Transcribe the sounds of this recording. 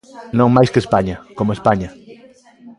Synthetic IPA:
nõŋmajskespaɲɐkomʊespaɲɐ

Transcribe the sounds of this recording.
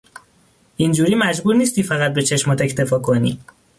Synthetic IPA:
ʔind͡ʒuːɾiːmæd͡ʒbuːɾniːst̪iːfæɣæt̪̚be̞t͡ʃʰe̞ʃmɒːt̪e̞cʰt̪e̞fɒːkʰonḭː

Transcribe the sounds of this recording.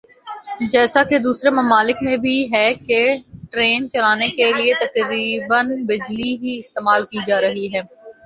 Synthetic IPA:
d͡ʒɛːsaked̪uːsɾemɐmaːlɪkmẽbʱiɦɛkeʈɾeːnt͡ʃɐlaːnekeliet̪ɐkɾiːbənbɪd͡ʒliɦiɪst̪eːmaːlkid͡ʒaːɾɐɦiɦɛː

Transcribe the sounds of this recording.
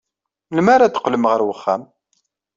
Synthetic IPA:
lmaɾad̪ə̥qːləmʁəɾwəχːæ̰m

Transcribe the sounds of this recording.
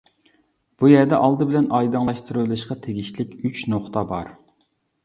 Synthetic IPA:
b̥ujæɾd̪ɛʔɑlˠd̪ɨbɪlɛnɑjd̪ɨŋlˠɑʃt̪ɨɾɨlˠɨʃqɑt̪ʰeɡʲiʃlɪkʲyt͡ʃnoχt̪ɑbɑ̰ɾ

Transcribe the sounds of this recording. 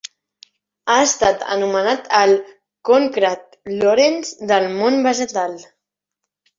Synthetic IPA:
aəst̪at̪ə̰numənat̪əl | koŋkɾat̪̚ | loɾenzd̪əlˠmonbəʒət̪al

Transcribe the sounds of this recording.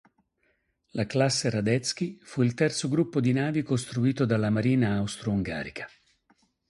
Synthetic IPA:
laklasːeɾad̪ɛt̪sk̟ifuilt̪ɛrt̪soɡɾupːod̪inaːvikost̪ɾuiːt̪od̪alːamaɾiːnaːwst̪ɾouŋɡa̰ːɾikʰḁ

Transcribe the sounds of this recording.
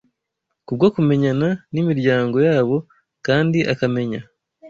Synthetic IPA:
kub̚ɡokume̞ɲananimiɾɟaːŋɡo̞jaːβo̞ | kaːndiʔakame̞ɲa

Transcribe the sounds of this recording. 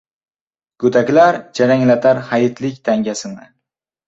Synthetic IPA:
ɡ̥ɵd̪akʲlaɾd͡ʒaɾaŋlat̪ʰaɾhajɪt̪ʰlɪkʲt̪ʰaŋɡʲasɪnɪ

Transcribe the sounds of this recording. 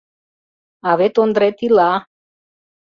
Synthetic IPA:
avet̪ond̪ɾɛt̪ila

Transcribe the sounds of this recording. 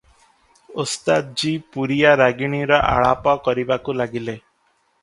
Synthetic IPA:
ost̪ad͡ʒipuɾijaɾaɡiɽ̃iɾɔʔa̰ɭapɔkɔɾibakulaɡile

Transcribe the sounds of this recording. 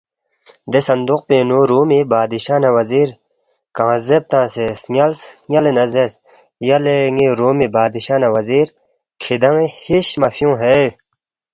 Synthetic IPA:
d̪esɐnd̪uq̚peːnoɾuːmibaːd̪iɕaːnawɐziːɾ | kãːzeb̚t̪ãːsesŋɐlsŋɐlenɐzeɾs | jɐleŋeɾoːmibaːd̪iɕaːnaʋɐziːɾ | kʰid̪ɐŋehiɕmɐfijõːɦe

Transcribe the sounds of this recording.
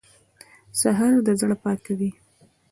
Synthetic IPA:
saɦɑɾd̪əzɽəpɑkawi

